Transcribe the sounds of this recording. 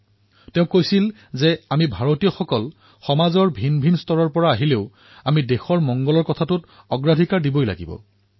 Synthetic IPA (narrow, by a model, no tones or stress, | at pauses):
teʊ̃kojsil | zɛamibʱaɹotijɔxɔkɔl | xɔmazɔɹbʱinbʱinstɔɹɔɹpɔɹaːɦileʊ | amidexɔɹmɔŋɡɔlɔɹkɔtʰatʊt | ɔɡɹadʱikaɹdibojla̰ɡḭbɔ̰